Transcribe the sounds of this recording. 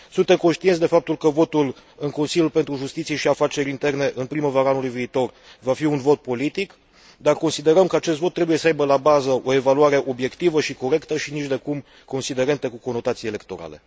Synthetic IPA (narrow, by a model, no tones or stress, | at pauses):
sunt̪e̞mkonʃt̪insd̪efap̚t̪ulkəvo̞t̪ul | ɨŋko̞nsiljulpent̪ɾuʒust̪it̪sijeʃiafat͡ʃe̞ɾʲint̪e̞rne̞ʔɨnpɾiməvaɾəanulujviːt̪o̞r | vafiunvo̞t̪̚po̞lit̪ik | d̪arko̞nsid̪e̞ɾəmkəat͡ʃe̞s̬t̪vo̞t̪ːɾe̞buje̞səajbəlabazəʔo̞e̞valuaɾe̞ʔo̞bje̞kt̪ivəʃiko̞ɾe̞kt̪əʃinit͡ʃd̪e̞kum | ko̞nsid̪e̞ɾe̞nt̪ekuko̞no̞t̪at̪sijele̞kt̪o̞ɾa̰le̞̰